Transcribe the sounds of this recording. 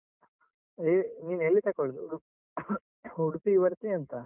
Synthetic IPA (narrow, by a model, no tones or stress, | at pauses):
eniːneɭlːit̪ɐkoɭd̪uuɽ | uɽupiʋɐɾt̪iɐnt̪ɐ